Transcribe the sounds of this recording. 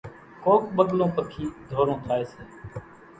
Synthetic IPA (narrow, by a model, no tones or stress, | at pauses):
kʰoːk̚ɓəɠlõːpəkʰiːd̪ʱoːɾõːt̪ʰaːeːseː